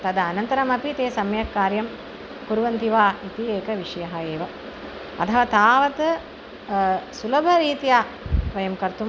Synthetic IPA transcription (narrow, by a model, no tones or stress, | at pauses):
t̪ɐd̪ɐɐnɐnt̪ɐɾɐmɐpit̪eːsɐmɐjɐkːaːɾjɐm | kuɾuʋɐnt̪iʋaːit̪ieːkɐʋiʂɐjɐɦɐeːʋɐ | ɐ̰t̪ʰɐʋɐt̪aːʋɐt̪ | sulɐbʱɐɾiːt̪ijaː | ʋɐjɐmkɐɾt̪um